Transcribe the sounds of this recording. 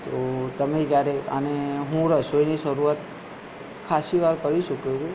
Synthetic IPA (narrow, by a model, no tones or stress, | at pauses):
t̪ot̪əmekjaɾeə̰neɦũɾəsoiniʃəɾuat̪̚ | kʰaʃiʋaɾkəɾiʃukeɾu